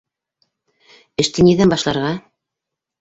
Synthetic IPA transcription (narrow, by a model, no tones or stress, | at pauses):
ɘ̆ʃt̪ɘ̆niðænbɑʃlˠɑɾʁɑ